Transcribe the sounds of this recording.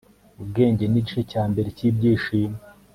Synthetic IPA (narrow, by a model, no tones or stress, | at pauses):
ubɡe̞ːɲɟeniɟiʃecaːmbe̞ɾeciːbɟiːʃiːma